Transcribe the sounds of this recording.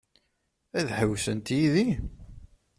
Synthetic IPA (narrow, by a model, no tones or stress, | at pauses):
æðħəwsənt̪jiði